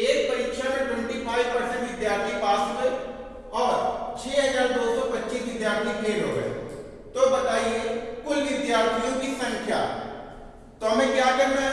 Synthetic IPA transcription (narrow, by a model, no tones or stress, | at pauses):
eːk̚pɐɾɪkʃamẽʈwə̃ɳʈipʰaːjʋpɐɾsə̃ɳʈʋɪd̪jaːɾt̪ʰipaːsoɡəe | ɔːɾt͡ʃʰeːɦɐzaːɾd̪oːsɔpɐtːʃiːsʋɪd̪jaːɾt̪ʰikʰeːlɦoɡə̰ḛ | t̪obɐt̪aːiekʊlʋɪd̪jaːɾt̪ʰijũkisɐ̃ŋkʰja̰ː | t̪oɦmẽkjaːkɐɾnɛ̃